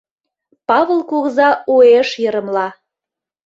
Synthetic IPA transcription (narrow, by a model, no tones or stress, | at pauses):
pɑβəlˠkuɣzɑueʃjəɾə̆mlɑ